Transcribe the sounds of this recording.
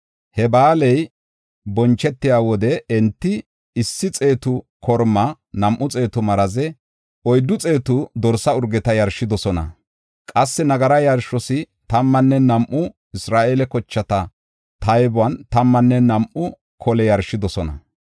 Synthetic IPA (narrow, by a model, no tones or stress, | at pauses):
hɛbaːlɛj | bɔnt͡ʃːɛt̪ːɪjaːwɔd̪ɛɛnt̪ːɪ | ɪsːɪt͡sʼe̞ːt̪ʊ | kʰɔɾmːɐ | nɐmʔʊt͡sʼe̞ːt̪ʊmɐɾɐzɛ | ɔjd̪ːʊt͡sʼe̞ːt̪ʊd̪ɔɾsɐʊɾɡɛt̪ɐjɐɾʃɪd̪ɔsɔnɐ̰ | kʼɐsːɛnɐɡɐɾɐjɐɾʃɔsɪ | t̪ɐmːɐnːɛnɐmʔːʊ | ɪsɾaːʔelɛkɔt͡ʃːɐt̪ɐ | t̪ɐjbʊwɐnt̪ɐmːɐnːɛnɐmʔʊ | kʰɔlɛjɐɾʃːɪd̪ɔsɔnɐ̰